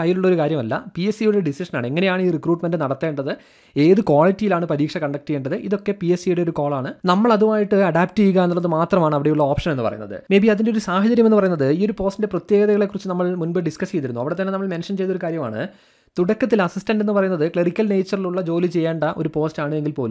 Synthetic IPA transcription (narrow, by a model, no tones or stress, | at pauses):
ɐjːiluɭːɐoɾukaːɾjɐmɐlːɐ̰piesijuɽeɖisiʂɐnaːɳɨe̞ŋːɐne̞jaːɳiːrikruːʈme̞ndɨnɐɽɐt̪ːe̞ːɳɖɐðɨ | e̞ːðɨkwaːɭitːijilaːɳɨpɐɾiːkʂɐkɐɳɖɐk̚ʈːɣeːɳɖɐðɨʔiðo̞kːe̞piesijuɽe̞o̞ɾuko̞ːɭaːɳɨnɐmːɐɭɐðumaːjiʈːɨɐɽaːp̚ʈɨiɣaenːuːɐðɨmaːt̪rɐmaːɳɨɐʋiɽe̞juɭːɐoːpʂɐne̞nːɨpɐrɐ̰junːɐ̰ðɨ̰me̞ːbiɐðindeo̞ɾusaːhɐt͡ɕɐɾjɐmeːɨpɐrɐjunːɐðɨiːo̞ɾupo̞ːstindeprɐt̪jeːɡɐðɐɣɐɭe̞kurit͡ɕːɨnɐmːɐɭmunbeɖiskɐst͡ɕejt̪iɾunːuɐʋiɽe̞t̪ɐnːe̞nɐmːɐɭme̞nʂɐnt͡ɕe̞jt̪ːoɾukaːɾjɐma̰ːɳɨ̰ | t̪uɽɐkːɐt̪̬ːilɐsistɐnɖe̞nːɨpɐrɐjunːɐðɨkɭerikʲːɐlne̞jt͡ɕːɐriluɭːɐd͡ʑo̞ːlit͡ɕe̞jːeːɳɖɐʔo̞ɾupo̞ːstaːɳɨeŋɡilpoːlum